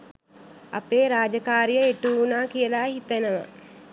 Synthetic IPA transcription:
a̰peːɾaːd͡ʒəkaːɾijəeʈuːnaːkijəlaːɦit̪ənəʋa̰

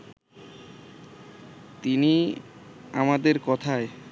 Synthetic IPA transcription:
t̪ini | amad̪eɾkɔt̪ʰae

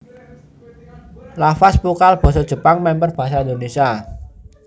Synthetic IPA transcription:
lafaspukalb̥ɔ̤sɔd̥ʒ̥ə̤paŋmɛmpərb̥a̤ɦsaind̪onesia

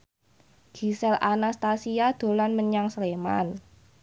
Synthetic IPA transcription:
ɡ̥i̤sɛlʔanast̪asiad̪̥o̤lanməɲaŋslema̰n

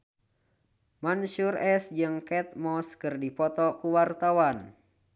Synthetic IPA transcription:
manʃurɛsd͡ʒɨŋkɛt̪̚mɔskɨrdipɔt̪ɔkuwart̪awan

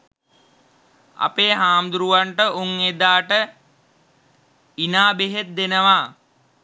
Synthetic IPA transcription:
a̰peːɦaːmd̪uɾuʋaɳʈəʔuŋed̪aːʈə | inaːbeɦet̪̚d̪enəʋa

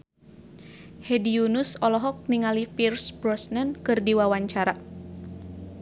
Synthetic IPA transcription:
hɛdiunusɔlɔɦɔk̚niŋalipirsbɾɔsnənkɨrdiwawaɲt͡ʃaɾa

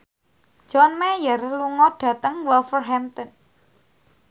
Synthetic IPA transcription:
d͡ʒʒ̥ɔnmɛjərluŋɔɖ̥ä̤t̪əŋwɛlfərɦɛmt̪ən

